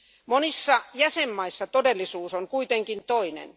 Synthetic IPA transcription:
monisːɑjæsemːɑisːɑt̪odelːisuːsoŋkuit̪eŋkint̪oinḛn

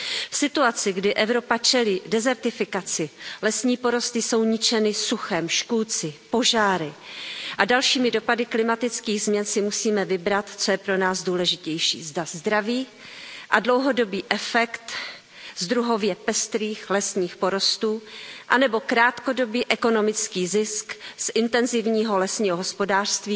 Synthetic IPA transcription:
fsɪt̪uat͡sɪɡdɪʔɛvɾo̞pat͡ʃɛliːdɛzɛɾt̪ɪfɪkat͡sɪlɛsɲiːpo̞ɾo̞st̪ɪso̞wɲɪt͡ʃɛnɪsuxɛːmʃkuːt͡sɪpo̞ʒaːɾɪʔadalʃiːmɪdo̞padɪklɪmat̪ɪt͡skiːɣzmɲɛnsɪmusiːmɛvɪbɾat̪t͡so̞jɛpɾo̞naːzduːlɛʒɪcɛjʃḭːzdazd̪ɾaviː | ʔadlowɦo̞do̞biːʔɛfɛkt̪ | zd̪ɾuɦo̞vjɛpɛst̪ɾiːxlɛsɲiːxpo̞ɾo̞st̪uːʔanɛbo̞kɾaːt̪ko̞do̞biːʔɛko̞no̞mɪt͡skiːzɪsksʔɪnt̪ɛnzɪvɲiːɦo̞lɛsɲiːɦoɦospo̞daːr̥st̪viː

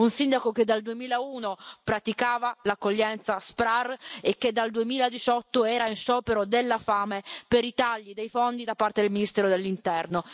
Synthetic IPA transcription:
unsind̪akoked̪ald̪uemiːlauːnopɾat̪ikaːvalakːoʎːɛnt̪saspɾarekːed̪ːald̪uemiːlad̪it͡ʃɔt̪ːoɛːɾainʃɔːpeɾod̪elːafaːmepeɾit̪aʎːid̪ejfond̪id̪apːart̪ed̪elminist̪ɛːɾod̪elːint̪ɛrno

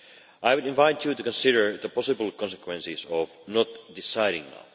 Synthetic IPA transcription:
ʔajwɨɾɪ̃nvaɪtʰjɨtukə̃nsɪɾə˞ðəpɔsɨbl̩ˠkʰɔ̃nsəkʰwɛ̃nsizɔvnɔtdɪsaɪɾɪ̰̃ŋna̰

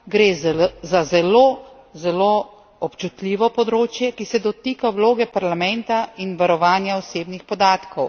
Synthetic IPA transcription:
ɡɾeːzazɛlo | zɛlo | ɔpt͡ʃut̪lʲiːʋɔpɔd̪ɾoːt͡ʃjɛkisɛd̪ɔt̪iːkawloːɡɛpaɾlamɛnt̪ainʋaɾɔʋaːnjaɔseːbnixpɔd̪aːt̪kʰɔw

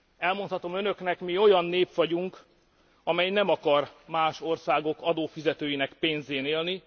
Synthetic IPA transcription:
ɛlmont̪hɒt̪o̞mønø̞knɛkmio̞jɒnːeːpʋɒɟuŋk | ɒmɛjnɛmɒkɒrmaːʃo̞rsaːɡo̞kɒd̪oːfizɛt̪øːjinɛkpeːnzeːneːlni

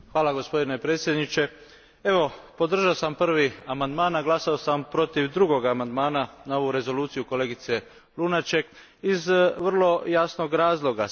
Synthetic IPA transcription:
xʋaːlaɡo̞spo̞d̪ine̞pɾe̞ːt̪sje̞d̪nit͡ʃe̞ | e̞ʋo̞po̞d̪r̩ʒaosampr̩ʋiamand̪maːnaɡlˠasao̞sampɾo̞t̪iʋd̪ɾuɡo̞ɡamand̪maːnanao̞ʋuɾe̞zo̞luːt̪sijuko̞leːɡit̪se̞ | lˠunat͡ʃe̞k | izʋr̩lˠo̞jasno̞ɡɾaːzlˠo̞ɡa

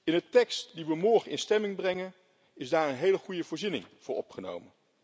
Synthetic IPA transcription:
ɪnətɛkstdiʋəmɔɹχənʔɪnstɛmɪŋbrɛŋən | ɪzdaːɹənɦejləχujəvʊːɹzinɪ̰ŋv̥ʊːɹɔpχəno̰wmən

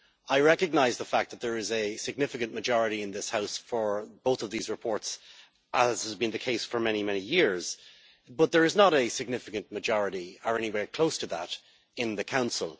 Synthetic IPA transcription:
aɪɹɛkɨɡ̚naɪzðəfak̚ðət̪̚ðə˞ɪzɨsɨɡ̚nɪfɨkɨ̃nmɨd͡ʒɔɹɨɾiɨ̃nðɪshaʊsfə˞b̥oʊθʌvðizɹɨpʰɔɹts | ʔəz̥əzbɨ̃nðɨkʰeɪsfə˞mɛɾ̃imɛñijɪɹz̥ | bʌt̪̚ðə˞ɨznəɾɨsɨɡ̚nɪfɨkɨ̃nməd͡ʒɔɹɨɾiə˞ɛñiweɹkʰl̥oʊstʰəðə̰ɾ | ɪ̃nðɨkʰãʊ̃nsə̰lˠ

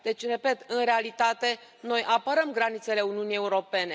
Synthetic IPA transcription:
d̪̥e̞t͡ʃʲre̞pe̞t̪ɨnrealit̪at̪e̞ | no̞jʔapəɾəmɡɾanit̪se̞le̞uniunije̞uɾo̞pe̞ne̞

